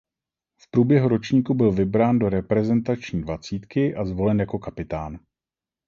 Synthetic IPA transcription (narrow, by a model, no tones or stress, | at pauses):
fpɾuːbjɛɦuɾo̞t͡ʃɲiːkubɪlvɪbɾaːndo̞ɾɛpɾɛzɛnt̪at͡ʃɲiːdvat͡siːt̪kɪʔazvo̞lɛnjako̞kapɪt̪aːn